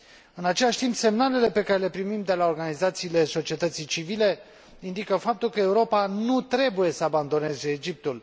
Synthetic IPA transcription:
ɨnat͡ʃe̞laʃʲt̪impse̞mnale̞le̞pe̞kaɾe̞le̞pɾimimd̪e̞lao̞rɡanizat̪siːle̞so̞t͡ʃie̞t̪ət̪sijt͡ʃivile̞ | ind̪ikəfap̚t̪ulkəeuɾo̞panut̪ɾe̞buje̞səaband̪o̞ne̞ze̞ːd͡ʒip̚t̪ul

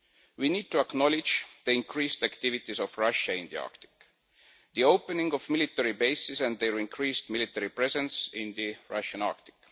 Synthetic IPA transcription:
winiːd̪̚t̪uæknɔli̥d͡ʒð̥əĩnkɹiːst̪ækt̪ivit̪isofɹɑʃaĩnd̪iɑ̰kt̪i̥k | ðiowpənĩŋɡovmilit̪əɹibejsisæ̃nd̪ðeɹĩnkʰɹiːst̪milit̪əɹipɹezɛ̃nsĩnðɨɹɑ̰ʃãnɑ̰ɹkt̪i̥k

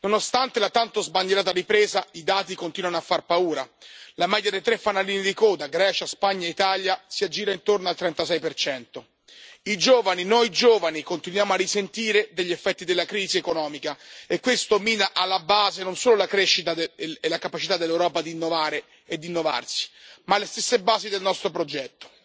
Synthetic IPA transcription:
nonost̪ant̪elat̪ant̪ozbaɲdeɾaːt̪aɾipɾeːzaid̪aːt̪ikont̪inwanoafːarpauːɾa̰lamɛd̪jad̪ejt̪ɾefːanːaliːnid̪ikɔːd̪aɡɾɛːt͡ʃaspaɲːaeit̪aljasiad͡ʒːiːɾaint̪ornoalt̪ɾɛnt̪asɛjpert͡ʃɛnt̪o | id͡ʒoːvaninojd͡ʒoːvanikont̪inwjaːmoarːisent̪iːɾed̪eʎːiɛfːɛt̪ːid̪elːakɾiːziekonɔːmikaekːwest̪omiːnaʔalːabaːzenonsoːlolakɾeʃːit̪aelːakapat͡ʃit̪ad̪ːelːewɾɔːpad̪iːnːovaːɾe | ed̪ːinːova̰rsi̥malːest̪esːebaːzid̪elnɔst̪ɾopɾod͡ʒɛt̪ːo̥

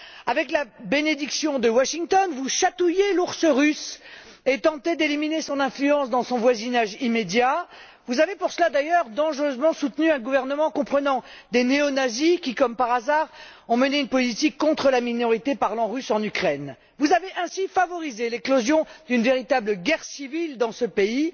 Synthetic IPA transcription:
avɛklabened̪iksjɔ̃d̪əwaʃiŋt̪ɔnvuʃat̪ujeluʁsəʁyset̪ɑ̃t̪ed̪eliminesɔ̃nɛ̃flyɑ̃sd̪ɑ̃sɔ̃vwazinaʒimed̪ja | vuzavepuʁsəlad̪ajœʁd̪ɑ̃ʒʁøzmɑ̃sut̪nyɛ̃ɡuvɛʁnəmɑ̃kɔ̃pχənɑ̃d̪eneɔnazikʲikɔmpaʁazaʁɔ̃məneynpɔlit̪ikːɔ̃t̪χəlaminɔʁit̪epaʁlɑ̃ʁysɑ̃nykχɛn | vuzaveʔɛ̃sifavɔʁizelɛklozjɔ̃d̪ynveʁit̪abləɡʲɛʁsivild̪ɑ̃səpei

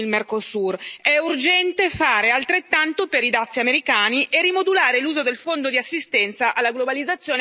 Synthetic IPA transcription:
ilmerkosurɛurd͡ʒɛnt̪efaːɾealt̪ɾet̪ːant̪opeɾid̪at̪sːiameɾikaːniʔerːimod̪ulaːɾeluːzod̪elfond̪od̪iasːist̪ɛnt̪saʔalːaɡlobalid̪zːat̪sːjoːn

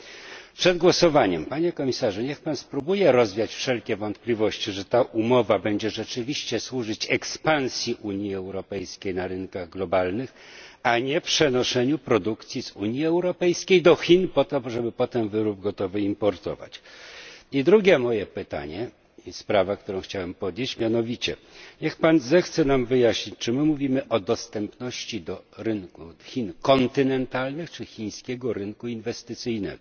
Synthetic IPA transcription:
pʂɛd̪̚ɡwɔsɔvaɲɛmpaɲɛkɔmʲisaʐuɲɛxpanspɾubujɛɾɔzvʲjat͡ɕfʂɛlkʲɛvɔnt̪plʲivɔɕt͡ɕiʐɛt̪aʔumɔvabɛɲd͡ʑɛʐɛt͡ʂɘvʲiɕt͡ɕɛswuʐɘt͡ɕɛkspansʲjiʔuɲjiɛwɾɔpɛjskʲejnaɾɘnkaɣɡlɔbalnɘxaɲɛpʂɛnɔʂɛɲupɾɔd̪ukt̪sʲjizuɲjiɛwɾɔpɛjskʲejd̪ɔxʲinpɔt̪ɔʐɛbɘpɔt̪ɛmvɘɾub̚ɡɔt̪ɔvɘimpɔɾt̪ɔ̰va̰t͡ɕ | id̪ɾuɡʲɛmɔjɛpɘt̪a̰ɲɛ | ispɾavak̚t̪uɾɔ̃w̃xt͡ɕawɛmpɔd̪jet͡ɕmʲjanɔvʲit͡ɕɛ̰ɲɛxpanzɛxt̪sɛnamvɘjaɕɲit͡ɕt͡ʂɘmɘmuvʲimɘʔɔd̪ɔst̪ɛmpnɔɕt͡ɕid̪ɔɾɘnkuxʲinkɔnt̪ɘnɛnt̪alnɘxt͡ʂɘxʲiɲ̃skʲɛɡɔɾɘnkuinvɛst̪ɘt̪sɘjnɛ̰ɡ̥ɔ

